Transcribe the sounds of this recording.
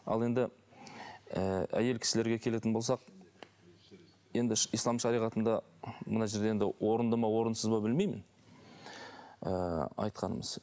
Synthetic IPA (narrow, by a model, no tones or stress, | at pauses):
ɑ̰lˠe̞nd̪ɪ | əæ̰je̞lkʲʰɪ̥sɪle̞ɾɡʲe̞kʲʰe̞le̞ɪnbolsɑq | je̞nd̪ɪʃijslˠɑmʃɑɾijʁɑt̪ənd̪ɑ | mə̰nɑʒe̞ɾd̪eend̪ɪwʔo̞ɾənd̪ɑmɑwo̞ɾənsəzbɑbɪlme̞jmɪ̰n | əɑ̰jt̪qɑnə̰məz̥